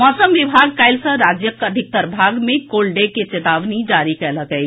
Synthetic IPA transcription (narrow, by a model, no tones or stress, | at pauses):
mɔːsəmʋɪbʱaːɡ̚kaːɪlsəɾaːd͡ʒjəkɐd̪ʱɪk̚t̪əɾbʱaːɡmẽkoːlɖeket͡ʃet̪aːʋnid͡ʒaːɾikələkəi